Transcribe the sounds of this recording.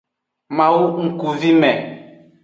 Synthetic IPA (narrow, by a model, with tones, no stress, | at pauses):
mã˨wu˦ŋ̩˨ku˨vi˦mɛ˨